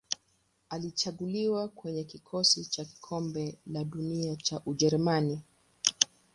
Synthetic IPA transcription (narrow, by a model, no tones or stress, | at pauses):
alit͡ʃaɠuliwakwɛɲɛkikʰɔsit͡ʃaki̥kʰɔmbɛlaɗuniat͡ʃaʔuʄɛɾumani